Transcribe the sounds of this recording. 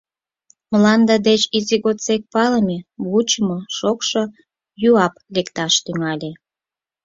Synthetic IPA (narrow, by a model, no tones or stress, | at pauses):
məlɑnd̪ɑd̪et͡ɕiziɣot̪t͡sek̚pɑləmʲeβut͡ɕəmoʃokʃo | juɑplekt̪ɑʃt̪yŋɑlʲe